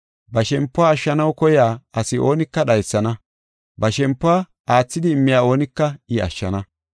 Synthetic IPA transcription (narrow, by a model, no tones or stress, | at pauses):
bɐʃɛmpːʊaːʃːɐnɐwkɔjaːɐsɪʔo̞ːnɪkːɐɗɐjsːɐnɐ | bɐʃɛmpːʊaː | aːt͡sːɪd̪ɪːmːɪjaːo̞ːnɪkːɐɪɐ̰ʃːɐnɐ